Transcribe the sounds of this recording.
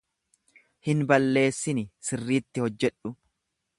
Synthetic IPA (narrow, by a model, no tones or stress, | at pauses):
hɪnbɐlːe̞ːsːɪnɪsɪrːiːt̪ːɪhɔd͡ʒːɛᶑʊ